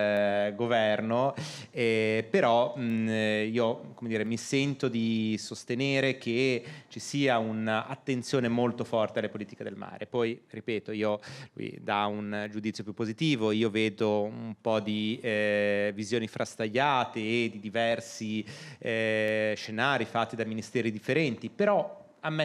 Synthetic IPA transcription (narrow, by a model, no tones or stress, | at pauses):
ɡovɛrno | ɛpeɾɔ | iːokomed̪iːɾemisɛnt̪od̪isost̪eneːɾek̟et͡ʃisiːaunaa̰t̪ːent̪sjoːnemolt̪ofɔrt̪ealepoliːt̪i̥ked̪elma̰ːɾepɔjɾipɛːt̪oiːolṵḭd̪aund͡ʒud̪it̪sjop̬jupːozit̪iːvoiːoveːd̪oumpɔd̪i | vizjoːnifɾʔast̪aʎːaːt̪eːd̪ːid̪ivɛrsi | ʃenaːɾifat̪ːid̪aminist̪ɛːɾid̪ifːeɾɛnt̪ipeɾɔ | amːe